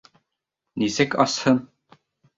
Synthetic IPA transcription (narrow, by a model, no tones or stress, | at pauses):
nisɘkɑshɤm